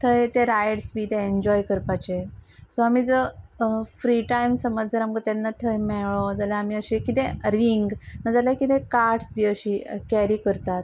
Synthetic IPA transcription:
t̪ʰəet̪eɾajɽsbiːt̪ẽeɲd͡ʑɔjkəɾpat͡ɕesoamiːd͡zə | fɾiʈajmsəməd͡zd͡zəɾamkət̪anːat̪ʰəmɛɭɔd͡zalaamiəɕekit̪ɛ̃ɾiŋɡnad͡zalakit̪ẽkaɾʈsbiːəɕikɛɾiːkəɾt̪at̪̚

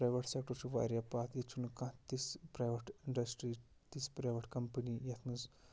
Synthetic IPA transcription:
pɾajʋɐʈsek̚ʈɐɾt͡ʃuʋa̰ɾjapat̪jet͡ʃʰunkãt̪ispɾajʋɐʈiɳɖɐsʈɾi | t̪ispɾajʋɐʈkɐmpənijɐt̪ʰnuz

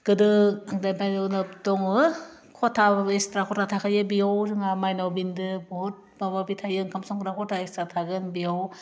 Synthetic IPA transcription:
ɡ̥ɯdɯaŋdajpajɯnɯptɔŋɯ | kʰɔtʰaestɾakʰɔtʰatʰakʰajɯbijawzɯŋamajnawbindɯbɔɦɔt̚bababitʰajɯŋkʰamsɔŋkɾakʰɔtʰaestɾatʰaɡɯnbijaw

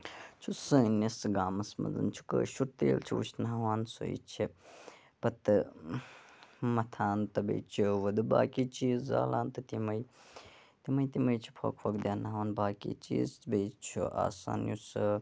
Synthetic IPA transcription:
t͡ʃʰusɨːnisɡaːmɐsmɐ̰zɐ̰nt͡ʃʰu̥kə̰ːʃuɾt̪eːlt͡ʃʰiut͡ʃʰnaʋaːnsṵjḭt͡ʃʰi | pɐt̪ɨ | mɐt̪ʰaːnt̪ɐbḛːt͡ʃʰiʋɐd̪ɨba̰ːkit͡ʃiːzza̰ːlaːnt̪ɨt̪imɐj | t̪imɐjt̪imɐjt͡ʃʰi̥pʰo̰kpʰokd̪ʲjaːnaʋaːnbaːkḭt͡ʃḭːzbejt͡ʃʰṵʔa̰ːsa̰ːnjusɨ

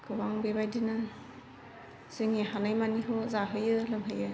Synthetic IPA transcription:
kʰɯbaŋbebajdinɯ | z̥ɯŋeɦanajmaniɦozaɦɯjɯlɯŋɦɯjɯ

